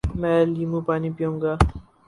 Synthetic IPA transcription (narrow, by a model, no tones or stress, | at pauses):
mɛlimũpaːnipijõŋɡa